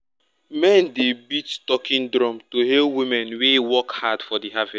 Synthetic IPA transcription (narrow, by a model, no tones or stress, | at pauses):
mɛ̃ndebittɔkĩndɾɔ̃mtoɦewimɛ̃nwewɔkhadfɔdiɦavɛs